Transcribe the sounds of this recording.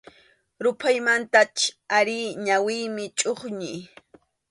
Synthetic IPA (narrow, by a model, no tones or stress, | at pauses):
ɾʊpʰajmant̪at͡ʃaɾɪɲawɪjmɪt͡ʃʼoχɲɪj